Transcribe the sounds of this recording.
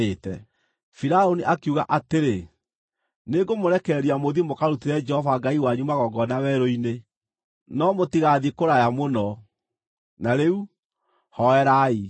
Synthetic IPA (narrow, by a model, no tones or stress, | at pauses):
etɛ | fiɾaoniʔakuɣa̰ʔateɾe | neɡomoɾɛkɛɾiamoðimokaɾutiɾɛd͡ʒɛhɔvaɡaiwaɲumaɣɔɡɔnawɛɾoine | nɔmotiɣaðikoɾajamonɔ | naɾeu | hɔɛɾai